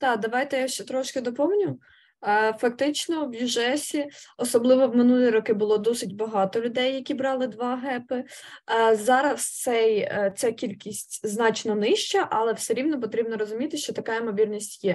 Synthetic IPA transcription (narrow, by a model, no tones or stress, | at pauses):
t̪ɑd̪ɐʋɑjt̪ɛjaʃt͡ʃɛt̪ɾɔʃkɪd̪ɔpɔmnʲʊ | fɐk̚t̪ɪt͡ʃnɔwjuʒɛsʲiɔsɔblˠɪʋɔwmɪnulʲˠijɾɔkɪbʊlˠɔd̪ɔsɪdʲbɐɦɑt̪ɔlʲʊd̪ɛjːɐkʲibɾɑlˠɪd̪ʋɑɦɛpɪ | zɑɾɐst̪sɛjt̪sɛkʲilʲkʲisʲtʲznɑt͡ʃnɔnɪʃt͡ʃɐʔɐlˠɛwsɛɾʲiwnɔp̬ɔt̪ɾʲibnɔɾɔzʊmʲit̪ɪʃt͡ʃɔt̪ɐkɑimɔʋʲirnʲisʲtʲjɛ